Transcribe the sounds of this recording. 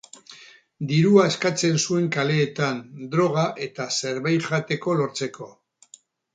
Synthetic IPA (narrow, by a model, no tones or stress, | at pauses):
d̪iɾuae̞skat͡se̞nsue̞ŋkale̞ːt̪and̪ɾo̞ɣ̞aʔe̞t̪ase̞ɾβajʝat̪e̞ko̞lo̞ɾt͡se̞ko̞